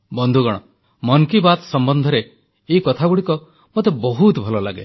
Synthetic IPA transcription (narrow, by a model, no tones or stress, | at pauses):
bɔnd̪ʱuɡɔɽ̃ɔ | mɔnkibat̪sɔmbɔnd̪ʱɔɾe | ekɔt̪ʰaɡuɽikɔ | mot̪ebɔɦut̪bʱɔlɔla̰ɡḛ